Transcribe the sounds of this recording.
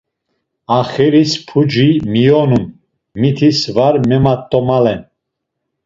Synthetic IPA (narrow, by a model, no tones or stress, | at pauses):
aχɛɾispʰud͡ʒimijɔnun | mit̪ʰisvaɾmɛmat̪ʼːɔmalɛn